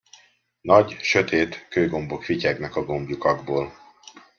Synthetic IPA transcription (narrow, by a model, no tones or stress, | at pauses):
nɒɟʃø̞t̪ʰeːt̪køːjɡo̞mbo̞kficɛɡnɒkɒɡo̞mbjukɒɡboːl